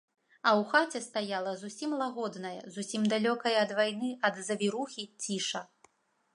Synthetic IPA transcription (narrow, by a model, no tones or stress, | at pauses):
ɐwxat͡sʲɛst̪ajalˠɐzusʲimlˠaɣɔd̪nɐjɐ̰zusʲimd̪alʲɔkɐjɐːd̪vajnɨɐd̪zɐvʲiɾuxʲit͡sʲiʂɐ